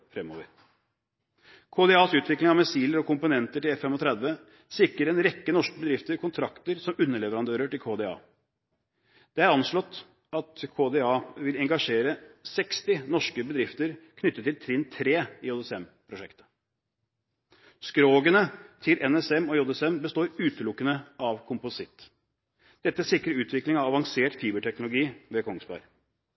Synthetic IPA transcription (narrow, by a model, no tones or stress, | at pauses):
fɾɛmːo̰ːʋəɾ | kʰoːd̪ɛɑːsʉːt̪ʰʋɪklɪŋɑʋmɛsiːləɾɔkʰʊmpʊnɛnt̪əʈɪlɛfɛmɔt̪ʰɾɛd̪ʋə | sɪkːəɾɛnɾɛkːənɔʂkəbəd̪ɾɪft̪əɾkʊnt̪ʰɾɑkt̪əɾsɔmʉnːəɭɛʋəɾɑnd̪øːɾəʈɪlkʰoːd̪ɛɑ̰ː | d̪̥ɛæɾɑnʂɭɔt̪ː | ɑt̪kʰoːd̪eɑːʋɪlɛŋɡɑʂeːɾəsɛkst̪ɪnɔʂkəbəd̪ɾɪft̪əɾkʰnʏt̪ːət̪ːɪlt̪ʰɾɪnt̪ʰɾeːɪoːd̪ɛsɛmpʰɾʊʂɛkt̪ə̥ | skɾoːɡənət̪ʰɪlʔɛnɛsɛmɔjod̪ɛsɛmbəst̪oːɾʉːt̪əlʊkːənəʔɑʋkʰʊmpʊsɪt̪ː | d̪̥ɛt̪ːəsɪkɾəɾʉːt̪ʰʋɪklɪŋɑʋɑʋɑŋseːʈfiːbəʈʰɛknʊlʊɡiːʋɛkʰɔŋsbɑ̰ɾ